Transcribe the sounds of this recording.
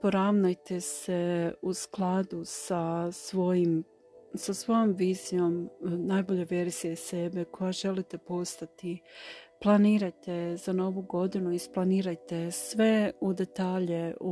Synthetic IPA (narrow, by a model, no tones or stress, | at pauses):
po̞ɾaʋnajt̪eseusklˠad̪usasʋojim | sasʋo̞jo̞mʋiːzijo̞mnajbo̞ʎeʋe̞ɾz̥ije̞se̞be̞kʰo̞jaʒe̞lit̪e̞po̞st̪at̪iplˠaniːɾajt̪ez̥ano̞ʋuɡo̞d̪inuisplˠaniːɾajt̪e̞sʋe̞ud̪e̞t̪aːʎeu